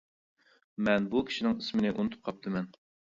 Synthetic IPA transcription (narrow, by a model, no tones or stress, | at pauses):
mɛnbukʲʰi̥ʃinɪŋismɪnɪʔunɨt̪ʰɨp̚qʰɑp̚t̪ʰɨmɛn